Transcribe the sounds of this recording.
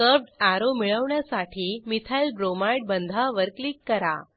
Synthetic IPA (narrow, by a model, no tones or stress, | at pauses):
kəb̚ɖaɾomiɭəʋɳjasaʈʰiːmit̪ʰajlɖɾomaiɽ̚bənd̪ʱaʋəɾklikːəɾa̰